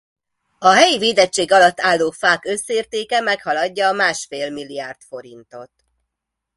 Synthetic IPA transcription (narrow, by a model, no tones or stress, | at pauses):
ɒɦɛjiveːd̪ɛt͡ʃːeːɡɒlɒt̪ːaːlːoːfaːkøsːeːrt̪eːkɛmɛkhɒlɒɟːɒːmaːʃfeːlmilːiaːrt̪fo̞ɾint̪o̞t̪